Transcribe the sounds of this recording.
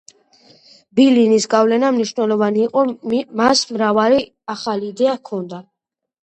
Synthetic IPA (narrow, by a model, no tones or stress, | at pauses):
bilinisɡavlɛnamniʃnɛlˠɔvaniːqʼɔmasmɾavali | aχaliːd̪ɛakʰɔnd̪a